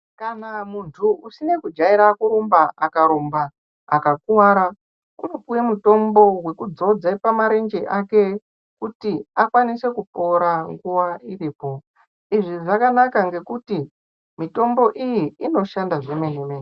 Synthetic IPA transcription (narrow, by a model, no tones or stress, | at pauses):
kanamuntʰuusine̞kud͡ʒaiɾakuɾombaakaɾombaː | kakuwaɾa | kunopujemuto̞mbo̞we̞kud͡zo̞d͡zaipamaɾe̞nd͡ʒe̞ʔake̞ | kutiakwanise̞kupo̞ɾaŋɡuwairiːpo̞ | iʐiʐakanakaŋɡe̞kuti | mito̞mbo̞ʔijiːno̞ʃandaʐemeneme